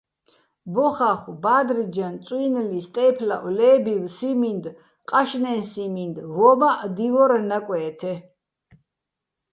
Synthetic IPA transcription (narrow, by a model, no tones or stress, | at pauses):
bɔχaχbaːd̪ɾid͡ʒant̪sʼwinlist̪ʼɛjpʰla̰ʔwlɛːbiwsimind̪ | qʼaʃnɛnsimind̪vɔmaʔd̪ivɔɾnakʼwɛːt̪ʰɛ